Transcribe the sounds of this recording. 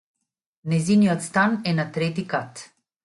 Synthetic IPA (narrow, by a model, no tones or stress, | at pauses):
nɛziːniɔt̪st̪anɛnat̪ɾeːt̪̬ikat̪